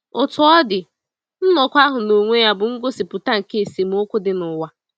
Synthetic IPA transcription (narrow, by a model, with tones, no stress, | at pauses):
ʊ˨tʊ˨˦ɔ˦dɪ˨ | n̩˦nɔ˨kʷa˦ɦʊ˨no˨ŋʷe˦ja˦bʊ˨ŋ̩˦ɡo˦si˨pʊ˨ta˦ŋ̩˨ke˦˨se˨m̩˦o˦kʷʊ˦dɪ˨nʊ˨wa˨